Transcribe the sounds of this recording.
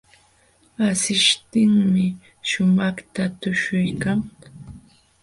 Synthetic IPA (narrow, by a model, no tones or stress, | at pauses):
asɪʃt̪ɪŋmɪ | ʃʊmɑχt̪at̪ʊʃʊjkaŋ